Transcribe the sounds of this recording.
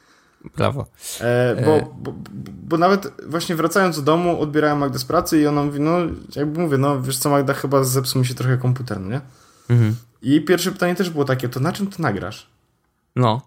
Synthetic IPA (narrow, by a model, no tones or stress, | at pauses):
bɾa̰vɔ̰ | bɔbɔbɔnavɛt̪vwaɕɲɛvɾat̪sajɔnzd̪d̪ɔmuʔɔ̰d̪̚bʲjɛɾawɛmːaɡd̪aspɾat̪sɘiɔnamuvʲinɔjaɡbɘmuvʲjɛnɔvʲjɛʂt̪sɔmaɡd̪axɘbazɛpsuwmʲiɕ̬ɛt̪ɾɔxɛkɔmp̬ut̪̬ɛɾnɛɲɛ | iejpʲjɛɾfʂɛpɘ̥t̪aɲɛt̪ɛʐbɘwɔt̪akʲɛt̪ɔnat͡ʂɘmt̪ɘnaɡɾa̰ʂ | nɔ